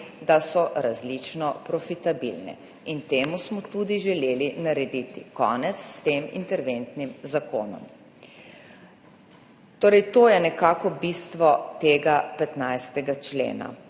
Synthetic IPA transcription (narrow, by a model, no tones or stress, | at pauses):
d̪asɔɾazlit͡ʃnɔpɾɔfit̪abḭlnɛ̰ | int̪eːmusmɔt̪ud̪iʒɛleːlinaɾɛd̪it̪ikɔ̰ːnɛt̪sːt̪eːmḭnt̪ɛɾʋent̪nimzako̰ːnɔ̰m | t̪oːɾɛjt̪oːjɛnɛkaːkɔbist̪ʋɔt̪eːɡapɛt̪najst̪ɛɡat͡ʃlḛːna̰